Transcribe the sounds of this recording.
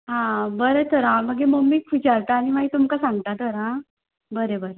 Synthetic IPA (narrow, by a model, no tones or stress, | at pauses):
ɦãbəɾet̪ʰoɾãməɡemomːikʋit͡ɕaɾt̪aːñimaɦit̪umkasãŋɡ̚t̪at̪ʰoɾã | bəɾebəɾe